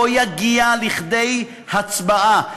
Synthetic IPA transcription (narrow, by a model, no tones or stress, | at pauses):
ojaɡialiχd̪ej | hat͡sbaʔa